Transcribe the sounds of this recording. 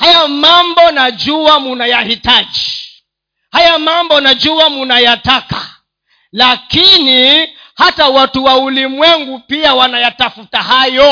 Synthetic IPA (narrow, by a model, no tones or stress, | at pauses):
hajamambɔnad͡ʒuamunajahitad͡ʒi | hajamambɔnad͡ʒuamunajataka | lakini | hatawatuwaulimwɛŋɡupiawanajatafutahajɔ